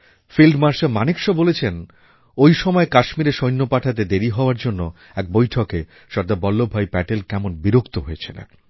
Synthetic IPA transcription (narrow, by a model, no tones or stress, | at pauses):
filɖmaɾʃemanikʃɔbolet͡ɕʰen | ojʃɔmɔekaʃmiɾeʃojnːopaʈʰat̪̬ed̪eɾiɦɔoaɾd͡ʑonːo | ɛk̚bojʈʰoke | ʃɔɾd̪abɔlːobʱajpɛʈelkɛmonbiɾokt̪oɦojet͡ɕʰen̰